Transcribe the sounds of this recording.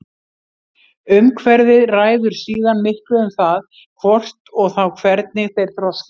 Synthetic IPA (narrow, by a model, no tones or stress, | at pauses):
ʏmkʰvɛɾðɪðraːjðʏɾ̥siːðanmɪhklʏʏmθað | kʰvɔr̥t̪ɔɣθawkʰvɛɾt̪̚nɪθejɾ̥t̪ʰɾɔs